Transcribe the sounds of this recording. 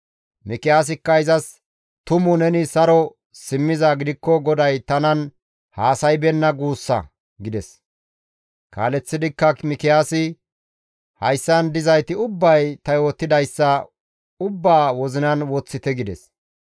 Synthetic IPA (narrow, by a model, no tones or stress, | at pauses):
mɪkɪjaːs̬ɪkːɐɪzɐs | t̪ʊmʊnɛnɪsɐɾɔ | sɪmːɪzaɡɪd̪ɪkːɔɡɔd̪ɐjt̪ɐnɐn | haːsɐjbɛnːɐɡuːsːɐ̰ | ɡɪd̪ɛs | ka̰ːlɛt͡sːɪd̪ɪkːɐmɪkɪjaːsɪ | hɐjsːɐnd̪ɪzɐjt̪ɪʊbːɐjt̪ɐjo̞ːt̪ːɪd̪ɐjsːɐ | ʊbːaːwɔzɪnɐnwɔt͡sːɪt̪ɛɡɪd̪ɛ̰s